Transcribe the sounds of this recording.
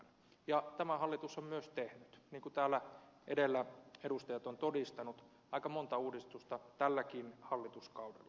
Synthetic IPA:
n | jɑt̪æmæhɑlːit̪usommyøst̪ehnyt̪niːŋkut̪æːlːæʔedelːæedust̪ɑjɑt̪ont̪odist̪ɑnut̪ | ɑikɑmont̪ɑuːdist̪ust̪ɑt̪ælːækiːnhɑlːit̪uskɑudḛlːɑ

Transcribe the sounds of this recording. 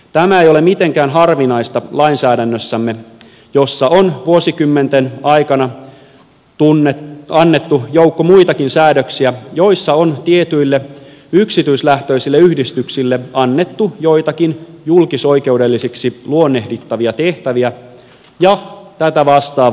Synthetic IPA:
t̪æmæejole̞mit̪eŋkæːnɦɑrʋinɑist̪ɑlɑinsæːdænːøsːæmːe | jo̞sːɑʔonʋuosikymːent̪enɑikɑnɑ | unːeɑnːet̪ːujoukːomuit̪ɑkinsæːdøksiæjo̞isːɑont̪iet̪yilːeyksit̪yislæht̪øisilːeyhdist̪yksilːeɑnːe̞t̪ːujo̞it̪ɑkinjulkiso̞ike̞udelːisiksiluonːe̞hdit̪ːɑʋiɑt̪eht̪æʋiæ | jɑt̪æt̪æʋɑst̪ɑː

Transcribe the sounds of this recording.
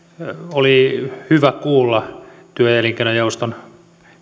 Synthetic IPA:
olihyʋækuːlːɑ | t̪yøjæliŋkeinojɑust̪on

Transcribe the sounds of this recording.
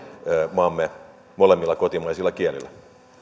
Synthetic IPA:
mɑmːe | molemːilːɑkot̪imɑisilːɑkielḭlːˑæ

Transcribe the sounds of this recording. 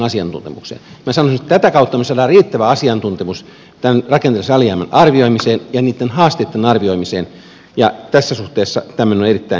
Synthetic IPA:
ɑsiɑnt̪ṵnt̪ḛmṵksḛːnmæsɑnosinet̪t̪æt̪ækɑut̪ːɑmesɑːdɑːriːt̪ːæʋæɑsiɑnt̪unt̪emus | t̪ænrɑkent̪elːsɑliɑːmænɑrʋioimiseːnjɑniːt̪ːenhɑːst̪eˑit̪ːenɑrʋioimiseːn | jɑt̪æsːæsuht̪eːsːɑ̰t̪æmænonerit̪ːæi

